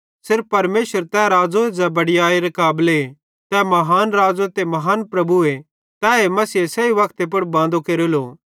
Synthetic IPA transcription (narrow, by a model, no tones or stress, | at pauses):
sɪɾfːɐɾmeːʃəɾt̪ɛɾaːd͡ʒoed͡ʒɛbɐɽɪjaːeɾɐkaːble | t̪ɛmɐɦaːnɾaːd͡ʒot̪emɐɦaːnpɾɐbue | t̪ɛːemɐsiesɛiʋɐkt̪ep̬ɐɽbãːnd̪okeːɾeloː